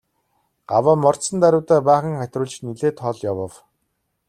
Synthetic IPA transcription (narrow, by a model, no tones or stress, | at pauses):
ɢ̥awaːmɔr̥t̪sə̆nt̪æɾʲʊːt̪æːpæːχə̆ŋχæt̪ʲrʊːɮt͡ɕniɮeːt̪ʰɔɮjawə̆w